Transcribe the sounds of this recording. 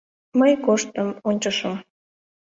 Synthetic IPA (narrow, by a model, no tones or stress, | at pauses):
məjkoʃt̪əmonʲt͡ɕəʃəm